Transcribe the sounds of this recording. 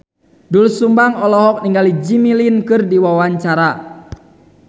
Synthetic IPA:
dulsumbaŋɔlɔɦɔk̚niŋɡalid͡ʒimilinkɨrdiwawaɲt͡ʃaɾa

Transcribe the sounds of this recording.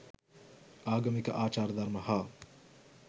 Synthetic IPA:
aːɡɐmikɐʔaːt͡ʃaːɾɐd̪ɐɾmɐhaː

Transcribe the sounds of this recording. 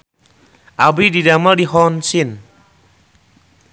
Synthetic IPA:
abididamadiɦɔnsin

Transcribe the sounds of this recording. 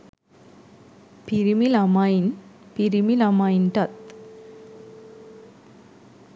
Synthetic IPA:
piɾimilamainpiɾimilamainʈat̪̚

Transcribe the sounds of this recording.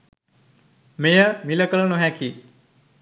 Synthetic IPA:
mejəmiləkələnuɦɛ̃ki

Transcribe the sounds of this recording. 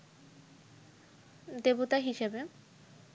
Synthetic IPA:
d̪ebot̪aɦiʃebe

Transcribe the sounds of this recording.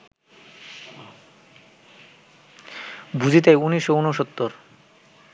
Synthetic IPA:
bʱud͡ʑʱit̪̬ejuniʃːounoʃot̪ːoɾ

